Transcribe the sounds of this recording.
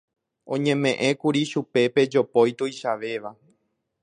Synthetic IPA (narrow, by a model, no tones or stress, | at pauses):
õ̞ɲẽ̞mẽ̞ʔẽ̞kuɾiʃupe̞pe̞d͡ʒo̞pojt̪ujʃaʋe̞ʋa